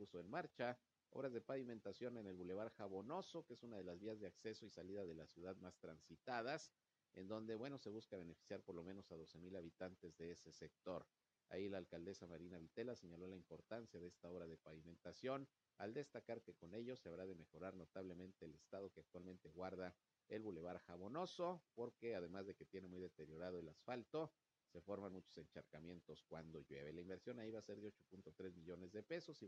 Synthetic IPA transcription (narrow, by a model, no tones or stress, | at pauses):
pusoenmaɾt͡ʃa | oβɾazðe̞paβimẽ̞nt̪asjo̞ne̞ne̞lβule̞βaɾxaβo̞no̞so̞keesunað̞e̞lazβiazðeakse̞so̞isaliðaðe̞lasjuð̞aðmast̪ɾansit̪að̞as | e̞̰nd̪o̞nd̪e̞βwe̞nose̞βuskaβ̞e̞ne̞fi̥sjaɾpo̞ɾlo̞mẽ̞no̞sað̞o̞semilaβ̞it̪ant̪e̞zðe̞ese̞sek̚t̪o̞ɾ | a̰ilaːlkald̪e̞samaɾinaβit̪e̞lase̞ɲalo̞laimpo̞ɾt̪ansjaðe̞est̪ao̞βɾað̞e̞paβimẽ̞nt̪asjo̞n | a̰ld̪e̞st̪akaɾke̞ko̞ne̞ʝo̞se̞aβɾað̞e̞me̞xo̞ɾaɾno̞t̪aβle̞mẽ̞nt̪eːle̞st̪aðo̞keak̚t̪walmẽ̞nt̪e̞ɣwaɾða | e̞lβule̞β̞aɾxaβo̞no̞so̞po̞ɾke̞að̞e̞mazðe̞ket̪je̞ne̞mujðet̪e̞ɾjo̞ɾað̞oelasfalt̪o̞ | se̞fo̞ɾmanmut͡ʃo̞se̞nt͡ʃaɾkamje̞nt̪o̞skwand̪o̞ʝwe̞̰βe̞laimbe̞ɾsjo̞naiβaːse̞ɾðeot͡ʃo̞punt̪o̞t̪ɾe̞zmiʝo̞ne̞zðe̞pe̞so̞si